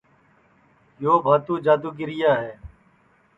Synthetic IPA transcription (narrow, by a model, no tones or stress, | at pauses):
joːbʱaːt̪uːd͡ʒaːd̪uːɡɪɾɪjaːɦeː